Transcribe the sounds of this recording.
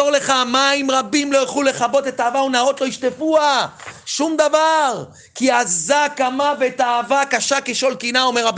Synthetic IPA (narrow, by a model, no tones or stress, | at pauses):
oʁle̞χamaimʁabimlo̞jaχlule̞χabo̞t̪et̪aːvaunao̞t̪lo̞iʃt̪efuaʃumd̪avaʁ | kiazakamaveːt̪aːvakaʃakeʃo̞lkinaomeʁab